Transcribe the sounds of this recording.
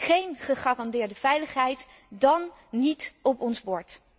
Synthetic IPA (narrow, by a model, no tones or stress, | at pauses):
χejnχəχaːrɑndɪːɹdəv̥ɛjləχɦɛjt | dɑnːitɔpɔnzbɔɹt